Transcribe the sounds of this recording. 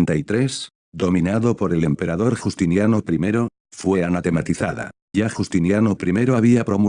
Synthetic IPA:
nt̪ait̪ɾe̞s | d̪o̞mĩnaðo̞po̞ɾe̞le̞mpe̞ɾaðo̞ɾxust̪injano̞pɾime̞ɾo̞ | fwe̞anat̪e̞mat̪iθaða̰ | ʝaxust̪injanopɾime̞ɾoaβiapɾo̞mu

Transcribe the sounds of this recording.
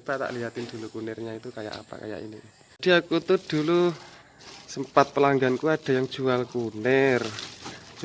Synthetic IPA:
pat̪a̰ʔliɦat̪ɪnd̪̥ṳlukunɛrɲait̪ukaja̰ʔa̰pa̰ka̰ja̰ʔḭni | d̪̥i̤akut̪ud̥ulu | səmpat̪̚pəlaŋɡankuad̥a̤jaŋ̥ʒ̥ualkunɛr

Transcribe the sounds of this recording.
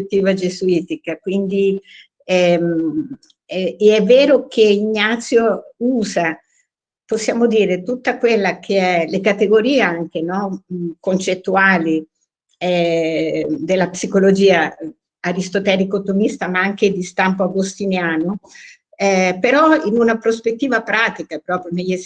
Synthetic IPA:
t̪ːiːvad͡ʒezuiːt̪ikakwind̪i | ɛm | ɛeɛvːeːɾok̟eiɲːat̪sːjouːza | posːjaːmod̪iːɾet̪ut̪ːakwelːakʰeɛlekat̪eɡoɾiːeaŋk̟enɔkont͡ʃet̪ːuaːli | ɛ | d̪elːapsikolod͡ʒiːaː | ɾist̪ot̪ɛːɾikot̪omist̪amaaŋk̟ed̪ist̪ampoaɡost̪injaːno | ɛpeɾɔinunapɾospet̪ːiːvapɾaːt̪ikapɾɔːpɾjoneʎːe

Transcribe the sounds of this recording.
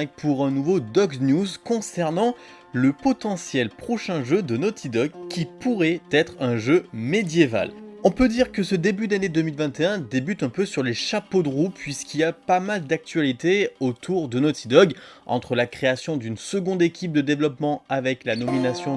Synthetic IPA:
k̚pʰuʁɛ̃nuvod̪ɔɡnjuzkɔ̃sɛʁnɑ̃ | ləpɔt̪ɑ̃sjɛlpχɔʃɛ̃ʒød̪ənɔt̪ʰid̪ɔɡkʲːipuʁɛt̪ɛt̪χɛ̃ʒømed̪jeva̰lɔ̃pød̪iʁkəsəd̪ebyd̪aned̪əmilvɛ̃t̪eɛ̃d̪ebyt̪ɛ̃pøsyʁleʃapod̪əʁupːɥiskʲiljapamald̪ak̚t̪ɥalit̪eot̪ʰuʁd̪ənɔt̪id̪ɔɡɑ̃t̪χəlakχeasjɔ̃d̪ynsəɡɔ̃d̪ekʲʰip̚d̪əd̪evlɔpmɑ̃avɛklanɔminasjɔ̃

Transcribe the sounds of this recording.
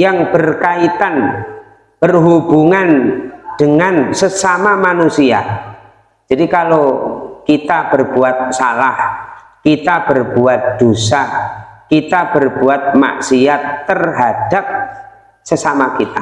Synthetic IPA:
jaŋbərkait̪an | b̥ərɦubuŋand̥əŋansəsamamanusia̰ | d͡ʒ̥adikalokit̪ab̥ərbuat̪̚salah | kit̪ab̥ərb̥uat̪̚d̪̥osakit̪ab̥ərbuat̪̚ma̰ʔsiat̪ːərɦad̥ap̚ | səsamakit̪a

